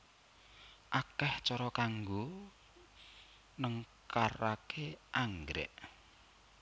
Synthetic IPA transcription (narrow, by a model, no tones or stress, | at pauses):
ʔakɛht͡ʃɔɾɔkaŋɡo | nəŋkaɾakʰeʔaŋɡɾɛ̰ʔ